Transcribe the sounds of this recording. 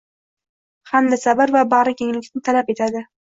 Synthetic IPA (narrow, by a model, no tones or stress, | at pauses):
hand̪asabaɾvabaɾɪkʲʰeŋlɪk̪ʲnɪt̪ʰalape̞t̪ʰad̪ɪ